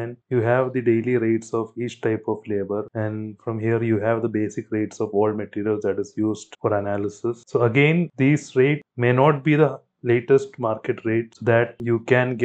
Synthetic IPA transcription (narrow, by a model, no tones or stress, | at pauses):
ɛ̃njuːɦæʋd̪iɖeːliɾeːʈsɔːfiːt͡ʃʈaɪpɔʋleːbəɾɛ̃ɳɖfɾɔ̃mɦiəɾjuːɦæʋd̪əbeːsɪkɾeːʈsɔːʋɔːlməʈiːɾiəlsd̪æʈɪzjuːzɖfɔːɾənælɪsɪssoːəɡẽːnd̪iːsɾeːʈmeːnɔːʈ̚biːd̪ə | leːʈesʈmaːɾkeʈɾeːʈsoːd̪æʈ̚juːkɛ̃nɡ